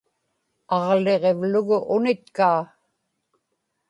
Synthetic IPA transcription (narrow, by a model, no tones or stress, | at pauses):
ɑʁle̞ʁe̞vlʊɣʊʔʊnɪt̪̚kaː